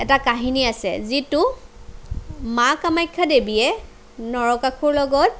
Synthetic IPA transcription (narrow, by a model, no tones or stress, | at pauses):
ɛtakaɦiniasɛ̰zitu | makamajkʰːadebiɛ | nɔɹɔkakʰuɹlɔɡɔt̚